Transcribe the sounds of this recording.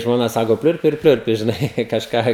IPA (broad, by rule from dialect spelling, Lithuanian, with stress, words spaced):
ʒmoːˈnɐ ˈsɑːkoː ˈpʲlʲʊrʲpʲɪ ɪr ˈpʲlʲʊrʲpʲɪ ʒʲɪˈnɐɪ kɐʃˈkɑː